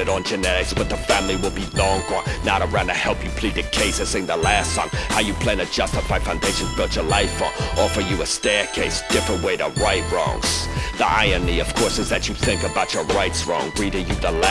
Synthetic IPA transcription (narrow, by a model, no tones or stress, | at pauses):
ɨɾn̩d͡ʒɨnɛɾɪksb̥ʌt̪̚ðəfæ̃mliwəlˠbilɔ̃ŋɡnnaʊɾəɹʌ̃nɨhɛlˠpjɨpʰl̥id̚ɨkʰeɪsɨseɪ̃ŋðəlæstsʌ̰̃ŋhaʊjɨpʰl̥æ̃nɨd͡ʒʌstəfaɪ̥fãʊ̃ndeɪʃɨ̃nzb̥ət͡ʃə˞laɪfə̰ʔɔfə˞jɨəstɛɹkʰeɪsd̥ɪfɹɨ̃nʔweɪɾə̰ɹaɪt̚ɹɔ̰̃ŋz̥ðiʔaɪɨniʌv̥kʰɔɹsɨzðɨt͡ʃɨθɪ̃ŋkəbaʊt͡ʃə˞ɹaɪtsɹɔ̰̃ŋɹiɾɨjɨðəlæ